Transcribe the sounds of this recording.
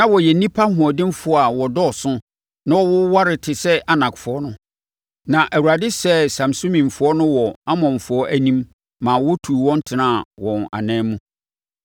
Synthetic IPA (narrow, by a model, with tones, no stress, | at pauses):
nã˦wɔ˨jɛ˨nĩ˦pʰa˦hʊ̃˨ɔ˨dɪ̃˦m˦fʊ˦a˨wɔ˨dɔ˦˨sʊ̃˦ | nã˦ɔ˦wʊ˦wa˦ɾɪ˨tʰɪ˨sɛ˦ʔa˨nã˨kfʊ˨ɔ˦nʊ̃˦ | nã˨ʔæ˨wu˨a˨dɪ˦sɛ˦sã˨msũ˦mĩ˨m˨fʊ˨ɔ˦nʊ̃˦wɔ˨a˦mɔ̃˨m˨fʊ˨ɔ˦ʔæ˦nĩ˦mː | ãː˨wɔ˦tʰu˨wɔ̃˦n̩˦tʰɪ˨nã˦˨wɔ̃˨na̰˨nɛ̃ː˦mũ˦